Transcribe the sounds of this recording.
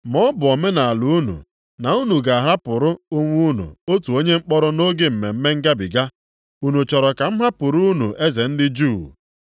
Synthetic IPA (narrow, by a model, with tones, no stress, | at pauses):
mɔ˦bʊ˨ɔ˨me˦na˨a˨lu˨u˦nṵ˨ | na˨u˦nu˨ɡa˨a˨ɦa˦pʊ˨ɾʊ˦ʊ˦ŋʷu˦nṵ˨o˦tu˨o˦ɲe˦ŋ͡m̩˦k͡pɔ˦ɾʊ˦no˦ɡe˦m̩˨me˨m̩˦me˦ŋ̩˦ɡa˦bḭ˨ɡa˦ | u˦nu˨t͡ʃɔ˨ɾɔ˨ka˨m̩˦ɦa˦pʊ˨ɾu˦u˦nu˨ʔe˦ze˨n̩˦dɪ˦d͡ʒu˦˨